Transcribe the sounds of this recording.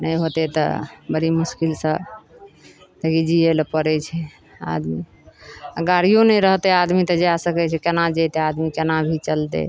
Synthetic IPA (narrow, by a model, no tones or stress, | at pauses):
nəjɦot̪et̪ə̰bəɾimuskilsə̃ | t̪əɡid͡ʒielpəɾɛt͡ʃʰɛ | a̰d̪mi | aɡaɾijõnɛjɾəɦt̪ead̪mit̪əd͡ʒeasəkɛt͡ʃʰɛkenad͡ʒet̪ead̪mikenabʱit͡ʃəlt̪ḛ